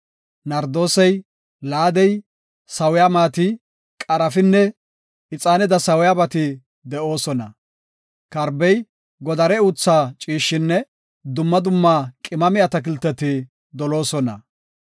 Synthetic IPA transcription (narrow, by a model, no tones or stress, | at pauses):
nɐɾd̪o̞ːsɛj | laːd̪ɛj | sɐwɪjaːmaːt̪ɪ | kʼɐɾɐfɪnːɛ | ɪt͡sʼaːnɛd̪ɐsɐwɪjaːbɐt̪ɪ | d̪ɛʔo̞ːsɔnɐ | kɐɾbɛj | ɡɔd̪ɐɾɛʊt͡sːaːt͡ʃʼiːʃːɪnːɛ | d̪ʊmːɐd̪ʊmːaːkʼɪmɐmɪjɐt̪ɐk̬ɪlt̪ːɛt̪ɪ | d̪ɔlo̞ːsɔnɐ̰